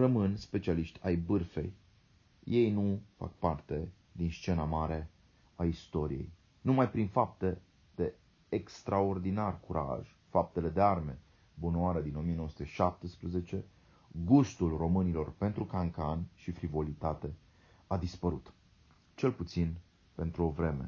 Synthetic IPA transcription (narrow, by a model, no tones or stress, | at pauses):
rəmɨnspe̞t͡ʃialiʃt̪ʲajbɨrfe̞̰j | je̞jnufa̰k̚part̪e̞ | d̪inst͡ʃe̞namaɾe̞ | aist̪o̞ɾḭje̞̰j | numajpɾinfap̚t̪e̞ | d̪̥e̞ | ekst̪ɾao̞rd̪inarkuɾʔa̰ʒ | fap̚t̪e̞le̞d̪e̞arme̞ | bunoaɾed̪ino̞mijenosu̥t̪eʃap̚t̪əspɾeze̞t͡ʃe̞ | ɡust̪ulro̞mɨnilo̞rpe̞nt̪ɾukaŋkanʃifɾivo̞lit̪at̪e̞ | ad̪ispəɾut̪ | t͡ʃe̞lput̪sin | pe̞nt̪ɾuo̞vɾe̞me̞̰